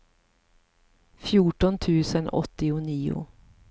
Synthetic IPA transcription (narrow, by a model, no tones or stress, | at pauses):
fjuːʈɔnt̪ʰʉ̟ːsənɔ̰t̪ːɪʊniːʊ̰